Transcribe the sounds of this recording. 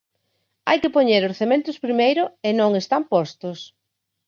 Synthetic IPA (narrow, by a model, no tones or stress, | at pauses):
a̰jkɪpoɲeɾoɾθemẽnt̪ʊspɾimejɾʊenõŋest̪ampɔst̪ʊs